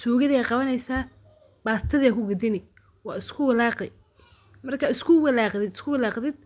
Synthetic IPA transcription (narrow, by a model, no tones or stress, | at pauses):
suːɣɐðɐjaːqɑβɐnɛjsaː | baːst̪ʰɐðakʰʊɡɐd̪ɪnɪ | wɑːɪskʰʊwɪlɑːqɛ | mɐrkʰɐɪskʰʊwɪlɑːqd̪ɪd̪ɪskʰʊwɪlɑːqðɪd̪̥̚